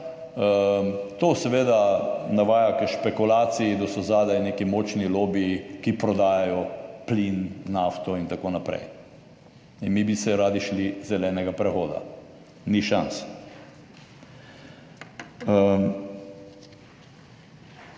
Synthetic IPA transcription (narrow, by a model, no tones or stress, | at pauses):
ət̪oːsɛʋeːd̪anaʋaːjakɛʃpɛkulaːt̪siid̪ɔsɔzaːd̪aneːkimoːt͡ʃniloːbiːkipɾɔd̪aːjajɔplinːaft̪ɔint̪akoːnapɾɛ̰j | inmibisɛɾaːd̪iʃlizɛlɛːnɛɡapɾɛxoːd̪a̰ | niʃans